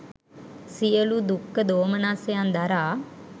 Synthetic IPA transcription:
sijəlud̪ukːəd̪oːmənaːsejand̪ɐɾaː

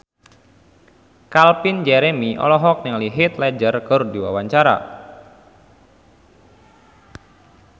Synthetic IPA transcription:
kalpɪnd͡ʒɛɾemiʔɔ̰lɔɦɔk̚nɪŋliɦɪt̪lɛd͡ʒərkərdiwa̰waɲt͡ʃaɾa̰

